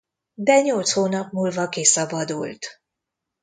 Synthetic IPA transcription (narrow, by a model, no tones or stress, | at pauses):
d̪ɛɲo̞lt̪shoːnɒpmuːlvɒkisɒbɒd̪ult̪